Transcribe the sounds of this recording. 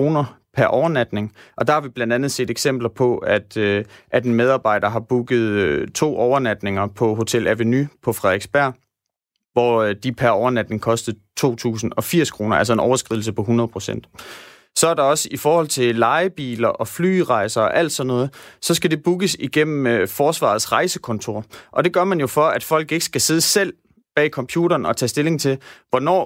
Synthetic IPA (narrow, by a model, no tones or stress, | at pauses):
o̝ːnɐpʰæɐʔɒʊɐnæd̥ne̝ŋʔɒ̽d̥ɑ̈hɑ̈ʋib̥lænd̥ænð̞̩ˠse̝̰ːd̥eɡ̥sem̰b̥lɐpʰɒ̽æd̥ʔæd̥e̝nmeð̞ˠɑ̈ːb̥ɑ̈ɪ̰dɐɦɑ̈b̥uɡ̥ð̞̩ˠøt͡sʰo̝̰ːʔɒʊɐnæd̥ne̝ŋɐpʰɒ̽ɦo̝t͡sʰelʔæʋenypʰɒ̽fʁɑeɡ̥sb̥æɐ̰ | ʋɒd̥ipʰæɐɒʊɐnæd̥ne̝ŋkʰɒ̽sd̥əð̩ˠt͡sʰo̝̰ːt͡sʰṵːsn̩ɒ̽fiɐ̰skʰʁo̝ːnɐæls̬ɒ̽e̝nɒʊɐsɡ̥ʁiðˠl̩s̬əpʰɒ̽ɦunɐð̞ˠpʰʁo̝sen̰d̥ | sɒ̽æɐɾɑ̈ɒ̽səifɒːhɒ̽l̰t͡sʰe̝lɑ̈ɪb̥ḭːlɐʔɒ̽fly̰ːʁɑ̈ɪsɐɒ̽ʔæl̰d̥sɒ̽nːɔ̽ːð̩ˠsɒ̽sɡ̥æd̥e̝b̥uɡ̥əsiɡ̥em̰m̩fɒːsʋɑ̰̈ːðˠsʁɑ̈ɪsəkʰɒ̽nt͡sʰo̝̰ɐ̰ʔɒ̽d̥e̝ɡ̥ɶɐmænjo̝fɒ̽æd̥fɒ̽l̰ɡ̥e̝ɡ̥ə̥sɡ̥æse̝ðˠəsel̰ | b̥ɛ̰ːikʰɒ̽mpʰjṵːɾɐːnɒ̽t͡sʰɛ̰ːsd̥e̝le̝ŋt͡sʰe̝lʋɒnɒ̰ː